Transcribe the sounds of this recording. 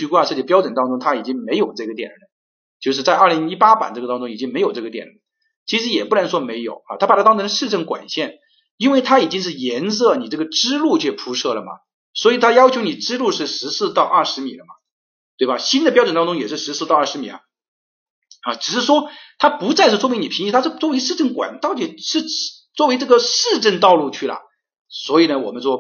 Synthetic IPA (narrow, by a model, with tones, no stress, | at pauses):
y˧˥kwa˥˧ʂɤ˥˧t͡ɕi˥˩pjɑ˥ʊʈ͡ʂə˨˩nt̪ɑ˥ŋʈ͡ʂʊ˥ŋt̪ʰa˥i˨˩t͡ɕi˥ŋme˧˥ɪjo˨˩ʊʈ͡ʂɤ˥˩ɡə˩t̪jɛ̰˨˩nə˧˩˦ | t͡ɕjo˥˧ʊʂ̬ɻ̩˥˧t͡sa˥˧ɪɐ˞˥˩li˧˥ŋi˥pa˥pa̰˨˩nʈ͡ʂɤ˥˩ɡə˩t̪ɑ˥ŋʈ͡ʂʊ˥ŋi˨˩t͡ɕi˥ŋme˧˥ɪjʊʈ͡ʂɤ˥˩ɡə˩t̪jɛ̰˨˩nə˨˥˦ | t͡ɕʰi˧˥ʂɻ̩˧˥jɛ˨˩pu˥˩nə˧˥nʂwɔ˥me˧˥ɪjo˨˩ʊa̰˧t̪ʰa˥pa˨˩t̪ʰa˥ɑ˥tʰɤ˥ŋʂɻ̩˥˧ʈ͡ʂɤ˥˩ŋkwa̰˨˩nɕjɛ˥˩n | i˥nwe˥˩ɪt̪ʰa˥i˨˩t͡ɕi˥ŋʂ̬ɻ̩˥˩jɛ˧˥ns̬ɤ˥˩ni˨˩ʈ͡ʂɤ˥˩ɡə˩ʈ͡ʂɻ̩˥lu˥˧t͡ɕʰjo˥˩pʰu˧˥ʂɤ˥˩lə˩mɐ̰˩ | swɔ˧˥i˨˩t̪ʰa˥jɑ˥ʊt͡ɕʰjo˧˥ʊni˨˩ʈ͡ʂɻ̩˥lu˥˧ʂɻ̩˥˩ʂɻ̩˧˥sɹ̩˥˧t̪ɑ˥˧ʊʔɐ˞˥˩ʂɻ̩˧˥mi˨˩lə˦mɐ̰˩ | t̪we˥˩ɪbɐ˩ɕi˥nd̪ə˨pjʈ͡ʂə˨˩nt̪ɑ˥ŋʈ͡ʂʊ˥ŋjɛ˨˩ʂɻ̩˥˩ʂɻ̩˧˥sɹ̩˥˧t̪ɑ˥˧ʊɐ˥˩ʂɻ̩˧˥mḭ˨˩˦ | ɐ˧˩ʈ͡ʂɻ̩˨˩ʂɻ̩˥˩ʂwɔ˥t̪ʰa˥pu˧˥t͡sa˥˧ɪʂɻ̩˥˩swm˧˥ni˨˩pʰi˧˥ŋ˥i˥˩t̪ʰa˥ʂt͡swɔ˥˩we˧˥ɪʂɻ̩˥˧ʈ͡ʂə˥˩nkwa̰˨˩˦nt̪ɑ˥˩ʊt͡ɕʰi˥˩ʂɻ̩˥˧˥ | t͡swɔ˥˩we˧˥ɪʈ͡ʂɤ˥˩ɡə˨ʂɻ̩˥˧ʈ͡ʂə˥˧nt̪ɑ˥˧ʊlu˥˧t͡ɕʰy˥˩lə̰˩ | swɔ˧˥i˨˩nə˦wɔ˨˩mə˦nʂwɔ˥